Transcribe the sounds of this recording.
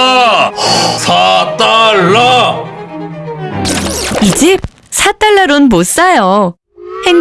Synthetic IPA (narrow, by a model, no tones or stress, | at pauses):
sʰat̪aɭːa | id͡ʑep̚ | sʰat͈aɭːaɾonmos͈ajo | heŋ